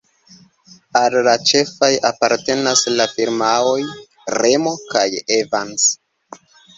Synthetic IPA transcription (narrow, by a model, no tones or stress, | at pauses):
allat͡ʃe̞fajapaɾte̞naslafiɾmao̞j | ɾe̞mo̞kajevans